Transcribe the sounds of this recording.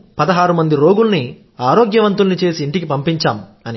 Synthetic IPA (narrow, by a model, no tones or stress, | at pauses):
pɐd̪ɐɦaːɾumɐnd̪iɾo̞ːɡulni | aːɾo̞ːɡjɐʋɐnt̪ulnit͡ʃe̞ːsiːɳʈikipɐmpiɲt͡ʃaːmɐni